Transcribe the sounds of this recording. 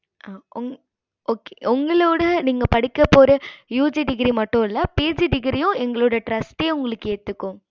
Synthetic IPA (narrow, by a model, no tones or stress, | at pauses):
aːʔʊŋ | oːke̥ʔʊŋɡɐɭoːɽɐniːŋɡɐpɐɽɪkːɐpːoːɾɐjuːd͡ʒiɖɪɡɾimɐʈːʊ̃ɪlːɐpeːd͡ʒɖɪɡɾijʊ̃ɛŋɡɐɭoːɽɐʈɾɐsʈeːʊŋɡɐɭɯkːɯeːt̪ːɯkːʊ̃